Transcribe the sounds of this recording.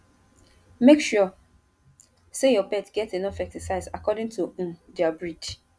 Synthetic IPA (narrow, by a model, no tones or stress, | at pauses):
mekʃɔ | sejɔpɛtɡ̥ɛtenɔfɛk̚tɪsaɪzakɔdɪ̃ŋtʰudɛabɹid